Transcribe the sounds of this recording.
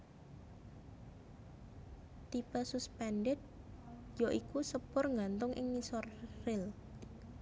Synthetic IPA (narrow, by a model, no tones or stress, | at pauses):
t̪ipəsuspɛnɖɪt̪̚joʔikusəpʊrŋant̪ʊŋʔɪ̰ŋisɔrːɪl